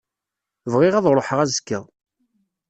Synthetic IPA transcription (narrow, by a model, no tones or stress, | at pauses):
vʁɪʁæðɾˤoħəʁæzə̥kːə̰ðˤ